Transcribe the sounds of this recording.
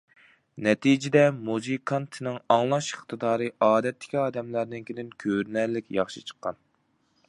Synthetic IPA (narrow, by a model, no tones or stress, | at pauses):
nɛt̪ʰid͡ʒɪd̪ɛmuzɨkʰɑnt̪ʰɨnɪŋɑŋlˠɑʃəχt̪ʰɨd̪ɑːɾɨʔɑːd̪ɛt̪ʰːɪ̥kʲiɑːd̪ɛmlæɾnɪnkʲʰed̪ɪnkʲʰøɾnɛɾlɪkʲjɑχʃɨ̰t͡ʃʰə̥qːɑ̰n